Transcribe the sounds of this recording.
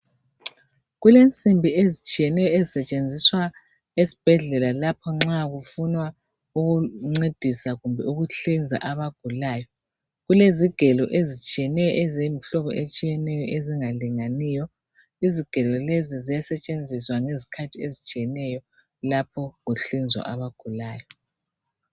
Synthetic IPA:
ɣulent͡sʼimbʱiezit͡ʃʼijɛnɛjɔezisɛt͡ʃʼend͡zʱiswa | esi̥b̥ʱɛɮɛlalapʰɔŋ͡ǁaɣufunwa | uɣuŋ͡ǀed̥ʱisaɣumbʱɛuɣuɬind͡zʱa̰ʔaβaɡ̥ʱulaːjɔ | ɣuleziɡ̥ʱɛlɔʔezit͡ʃʼijɛnɛjɔ̰ʔɛzem̩ɬɔβɔʔet͡ʃʼijɛnɛjɔʔeziŋaliŋaniːjɔ | iziɡ̥ʱɛlɔlezizijasɛt͡ʃʼend͡zʱiswaŋezi̥kʰatʰiezit͡ʃʼijɛnɛjɔ | lapʰɔɣuɬind͡zʱwa̰ʔaβaɡ̥ʱulaːjɔ

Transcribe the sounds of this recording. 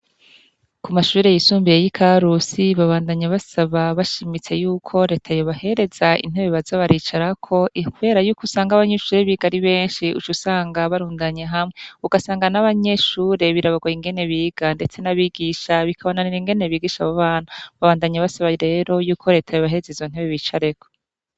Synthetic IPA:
kumaʃuːɾe̞jisuːmbijejikʰaɾusiβaβaːndaɲaβasaβaβaʃimit͡se̞juːkʰo̞ɾe̞ːtʰajo̞βahe̞ɾe̞zaḭn̥eβiβazaβaɾiːt͡ʃaɾakʰo̞ikuβe̞ːɾajuːkusaːŋɡaβaɲeʃuːɾe̞βiɡaɾiβe̞ːnʃiṵt͡ʃusaːŋɡaβaɾuːndaɲeɦamŋeuɡasaːŋɡanaβaɲe̞ʃuːɾe̞βiɾaβaɡwaiŋɡe̞ne̞βiɡ̥ande̞t͡se̞naβiɡiʃaβikʰaβonaniɾiŋɡe̞ne̞βiːɡiʃaβaβaːnaβaβaːndaɲaβasaβaɾe̞ːɾo̞juːkʰo̞ɾe̞ːtʰajoβaɦe̞ɾezizon̥eβweβiːt͡ʃaɾe̞ko

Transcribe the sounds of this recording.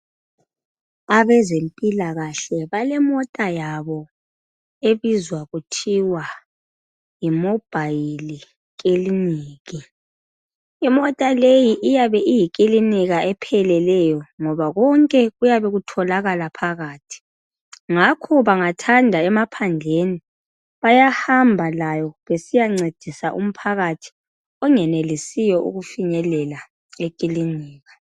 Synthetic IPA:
aβɛzempʼilaɣaɬɛβalɛmɔtʼajaβɔ | eβizwaɣutʰiwa | jimɔb̥ʱajili | ɣeliniːɣi | imɔtʼalejiʔijaβɛʔijiɣiliniɣaɛpʰɛlɛlɛjɔŋɔβaɣɔŋkʼɛɣujaβɛɣutʰɔlaɣalapʰaɣaːtʰi̥ | ŋakʰɔβaŋatʰandʱaɛmapʰand͡ɮʱeni | βajahambʱalajɔβesijaŋ͡ǀed̥ʱisaʔṵm̩pʰaɣatʰi̥ | ɔŋɛnelisijɔʔṵɣufiɲɛlɛla | ekʼiliniːɣa

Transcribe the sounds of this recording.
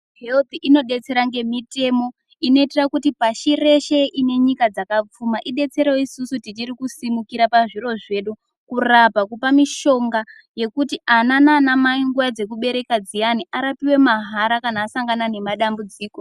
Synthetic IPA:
ɦe̞lt̪iʔino̞ɗe̞t͡se̞ɾaŋɡe̞mite̞mo̞ | ino̞itirakutipaʃire̞ʃe̞ʔine̞ɲikad͡zakap͡fumaʔiɗe̞t͡se̞ɾeisusutit͡ʃiɾikusimukiɾapaʐiro̞ʐe̞ːɗu | kurapakupamiʃo̞ŋɡa | je̞kutiʔanananamaiŋɡujad͡ze̞k̬uɓe̞ɾe̞kad͡zijaniʔaɾapiwe̞maɦaɾakanaːsaŋɡanane̞maɗambud͡ziːko̞

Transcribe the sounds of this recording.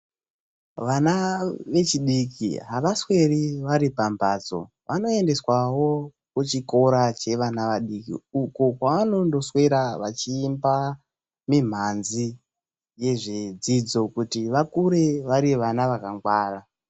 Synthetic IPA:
ʋanaʋe̞t͡ʃiɗikḭɦaʋaswe̞riʋaɾipambad͡zo̞̰ | ʋʔano̞e̞nde̞swawo̞ | kut͡ʃiko̞ɾat͡ʃe̞ʋanaʋaɗikḭukokwaʋano̞ndo̞swe̞ɾaʋat͡ʃiːmba | mim̤anzi | je̞ʐed͡zid͡zo̞kutiʋakuɾe̞ʋaɾiʋanaʋakaŋɡwaːra

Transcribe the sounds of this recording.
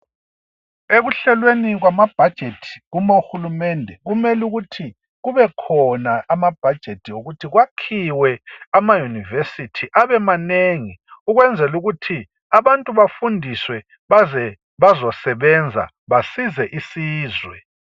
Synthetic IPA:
eɣuɬɛlweniɣwamab̥ʱad̥ʒ̥ʱetʰi̥ɣumoxulumɛndʱɛɣumɛluɣutʰi | ɣuβɛkʰɔnaʔamab̥ʱad̥ʒ̥ʱetʰioɣutʰiɣwakʰiwɛamajunivesitʰiʔaβɛmaneŋiuɣwɛnd͡zʱɛluɣutʰi | aβantʼuβafundʱiswɛ | ɛ | βazɔsɛβɛnd͡zʱa̰ | βasizɛʔisiːzwɛ

